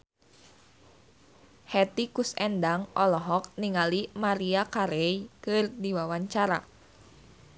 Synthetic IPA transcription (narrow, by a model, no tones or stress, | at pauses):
hɛt̪ikusɛndaŋʔɔlɔɦɔk̚niŋalimaɾiakaɾɛikɨrdiwawaɲt͡ʃaɾa̰